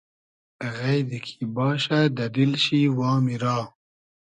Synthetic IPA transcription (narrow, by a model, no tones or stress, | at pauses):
ɣajd̪ikʰibɑːɕad̪ad̪ilɕiwɑːmiɾɑː